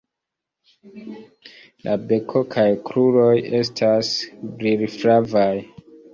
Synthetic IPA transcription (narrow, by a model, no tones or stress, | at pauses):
lʔabe̞kʰokʰajkɾuɾo̞je̞stʰasbɾiɾfɾavaj